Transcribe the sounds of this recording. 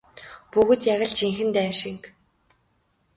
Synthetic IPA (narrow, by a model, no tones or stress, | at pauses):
puɣɵ̆t̪jaɣə̆ɮt͡ɕiŋxɘ̆nt̪æːʃiŋk